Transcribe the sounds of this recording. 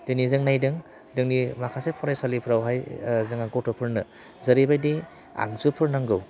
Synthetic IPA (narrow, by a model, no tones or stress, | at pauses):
dɯnizɯŋnajdɯŋ | dɯŋnimakʰasepʰɔɾajsalipʰɾawɦajzɯŋaɡotɔpʰɯɾnɯ | zɐɾibajdi | a̰k̚zupʰɯɾnaŋɡɯw